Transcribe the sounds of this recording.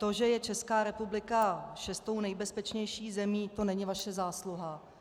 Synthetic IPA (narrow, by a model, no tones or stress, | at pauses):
t̪o̞ʒɛjɛt͡ʃɛskaːɾɛpublɪkaʃɛst̪ownɛjbɛspɛt͡ʃɲɛjʃiːxzɛmiːt̪o̞nɛɲɪvaʃɛzaːsluɦa